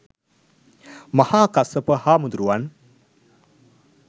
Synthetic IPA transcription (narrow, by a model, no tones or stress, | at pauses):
mɐhaːkasəpəhaːmud̪uɾuʋan